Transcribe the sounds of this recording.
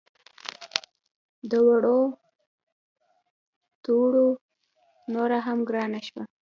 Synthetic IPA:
d̪əwaɽo | t̪uɽo | noɾaɦamɡɾɑnaʃwa

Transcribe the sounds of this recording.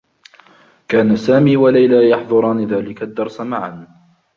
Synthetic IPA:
kaːnasaːmiːwalajlaːjɑħðˤʊɾˤɑːnɪðaːlɪkad̪ːɑɾˤsamaʕan

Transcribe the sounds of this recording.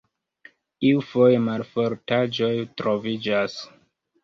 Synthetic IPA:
iufojemalfoɾtad͡ʒo̞jtɾo̞vid͡ʒas

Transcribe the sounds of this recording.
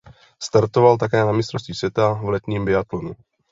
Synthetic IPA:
st̪aɾt̪ovalt̪̬ak̬ɛːnamɪst̪ɾost̪isvjɛt̪avlɛt̪ɲiːmbɪat̪lonu

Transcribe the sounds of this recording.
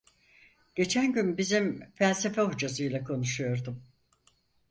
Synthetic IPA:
ɟ̥e̞t͡ʃʰænɟynbizimfælʲse̞fɛɦud͡ʒazɯjlˠakʰo̞nuʃujo̞ɾd̪um

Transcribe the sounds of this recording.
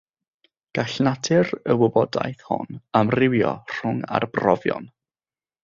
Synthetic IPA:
ɡ̥aɬnatʰɪrəwʊbɔda̰jθhʊ̰namrɪwjɔ̰r̥ʊŋa̰rb̥rɔvjɔ̰n

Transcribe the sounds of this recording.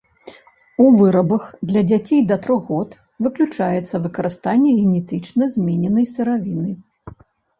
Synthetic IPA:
uvɨɾɐbɐxd̪lʲɐd͡zʲat͡sʲejd̪ɐt̪ɾɔɣɔt̪ | vɨklʲut͡ʂajɛt̪sːɐvɨkɐɾɨst̪anʲːɛɣʲɛnʲɛt̪ɨt͡ʂnɐzʲmʲenʲɛnɐjsɨɾavʲinɨ

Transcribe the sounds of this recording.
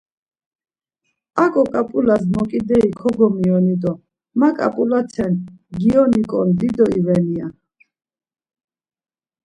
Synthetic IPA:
akʼɔkʼapʼulasmɔkʼid̪ɛikʰɔɡɔmiɔnid̪ɔ | makʼa̰pʼulat̪sʰɛnɡiɔnikʼɔnd̪id̪ɔivɛnia

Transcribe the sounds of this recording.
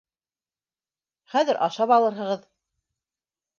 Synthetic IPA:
χæðɘɾʔɑ̰ʃɑpɑlˠɤ̆ɾɦɤ̆ʁɤð

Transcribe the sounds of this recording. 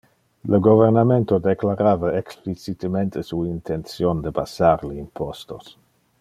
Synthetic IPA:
ləɡovernament̪od̪eklaɾaːvaeksplit͡sit̪əmẽnt̪ʰəsuint̪ʰent̪sjond̪əbasaɾləimpʰost̪os

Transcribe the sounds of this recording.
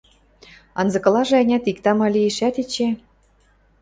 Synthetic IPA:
ɑ̰nzɤ̆kɤ̆lɑʒĕɑnʲɑt̪ikt̪ɑmɑlʲieʃæt̪it͡ɕe

